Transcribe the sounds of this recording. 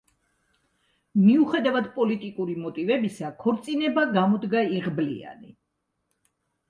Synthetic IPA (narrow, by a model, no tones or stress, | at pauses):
miuχɛd̪avad̪pʼɔlit̪ʼikʼuɾimɔt̪ʼivɛbisakʰɔɾt̪sʼinɛbaɡamɔd̪ɡaiʁblḭa̰nḭ